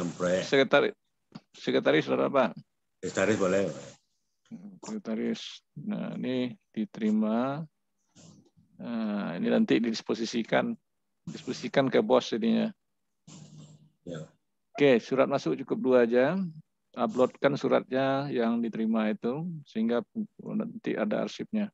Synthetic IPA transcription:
ampɾojɛsəkət̪aɾɪ | səkət̪aɾɪsdaɾa̰paʔ | ist̪aɾɪsbolɛ | təkət̪aɾɪsna̰ḭnidit̪əɾima | əḭninant̪ɪʔdidisposisikan | disposisikankəbɔsidiɲa | ja | okesuɾat̪̚masʊk̚t͡ʃukʊp̚duad͡ʒa | ablɔt̪̚kansuɾa̰t̪̚ɲajaŋdit̪əɾimait̪usəɦiŋɡapnə̰nt̪ɪ̰ʔa̰da̰a̰rsɪp̚ɲa

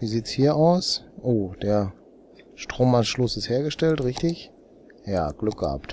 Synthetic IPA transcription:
viːziːtshiːɐʔaʊsʔoːd̥eːɐ | ʃtʁ̥oːmanʃlʊsɪstheːɐɡəʃtɛltʁɪçtɪç | jaːɡ̥lʏk̚ɡ̥əha̰pt

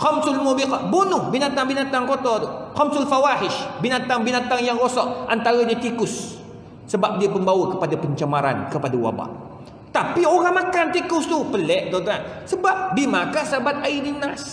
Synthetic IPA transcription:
xɔmsʊlmubibunʊhbinat̪aŋbinat̪aŋkot̪ɔxɔmsʊlfawahɪʃbinat̪aŋbinat̪aŋjaŋɾosɔʔʔa̰nt̪aɾəɲat̪ikʊsː | əbap̚diapəmbawəkəpadapəɲt͡ʃamaɾa̰nkəpadawa̰ba̰ʔ | t̪apioɾaŋmakant̪ikʊst̪upəlɛʔd̪ɔd̪ɾaʔsəbap̚bimãkasəabat̪̚aidinas

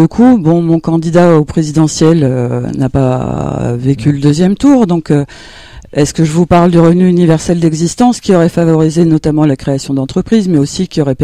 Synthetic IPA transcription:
ləkʰubɔ̃mɔ̃kɑ̃d̪id̪aopχezid̪ɑ̃sjɛlønapa̰ | vekʲyləd̪øzjɛmt̪uʁd̪ɔ̃kø | ɛskəʒəvupaʁld̪əʁəvnyːnivɛʁsɛld̪ɛɡzist̪ɑ̃skʲiɔʁɛfavɔʁizenɔt̪amɑ̃lakχeasjɔ̃d̪ɑ̃t̪χəpχizmɛosikʲiɔʁɛ

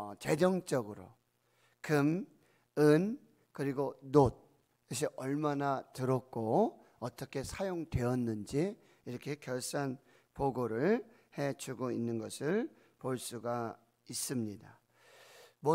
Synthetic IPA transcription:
t͡ɕe̞d͡ʑʌŋt͡ɕ͈ʌɡɯɾo̰ | kɯm | ɯn | kɯɾiɡonod̚ | oɕ̬ʰiʔʌɭmanatɯɾʌk̚k͈o | ʌt͈ʌkʰe̞sʰajoŋdwe̞ʌnːɯnd͡ʑi | iɾʌkʰe̞kjʌɭs͈an | poɡoɾɯɭ | he̞t͡ɕuɡoinːɯnɡʌsʰɯɭ | poɭs͈uɡa | is͈ɯmɲida | mʌ

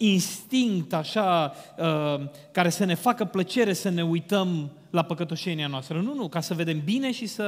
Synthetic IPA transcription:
inst̪iŋkt̪aʃaə | kaɾe̞səne̞fakəplət͡ʃe̞ɾe̞səne̞ujt̪əm | lapəkət̪o̞ʃe̞nianoast̪ɾənunukasəve̞d̪e̞mbine̞ʃisə

